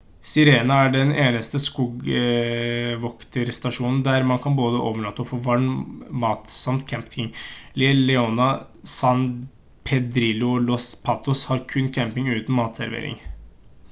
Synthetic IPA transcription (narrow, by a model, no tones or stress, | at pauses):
sɪɾeːnɑæɖɛneːnəst̪əskuːɡ | ʋɔkt̪ʰəɾst̪ɑʂuːnn̩d̪æɾmɑnkʰɑnboːd̪əʔoːʋəɭɑt̪ːəɔfoːʋɑɳmɑːt̪sɑmt̪kʰɛmpt̪ʰɪŋlɪlɛɔnɑ | sɑn | pʰɛd̪ɾɪlʊɔlɔspʰɑːt̪ʊshɑɾkʰʉnkʰɛmpɪŋʉːt̪n̩mɑːt̪sæɾʋḛːɾɪ̰ŋ